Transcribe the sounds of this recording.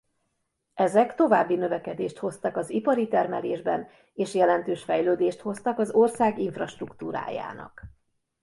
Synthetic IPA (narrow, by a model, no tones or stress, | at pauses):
ʔɛzɛkt̪o̞vaːbːinø̞vɛkɛd̪eːʃt̪ho̞st̪ɒkɒzipɒɾit̪ɛrmɛleːʒbɛn | eːʃjɛlɛnt̪øːʃfɛjløːd̪eːʃt̪ho̞st̪ɒkɒzo̞rsaːɡiɱfrɒʃt̪rukt̪uːɾa̰ːja̰ːnɒ̰k